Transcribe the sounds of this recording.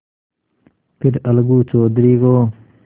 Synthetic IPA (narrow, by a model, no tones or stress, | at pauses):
pʰiɾɐlɡuːt͡soːd̪ɾiːɡoː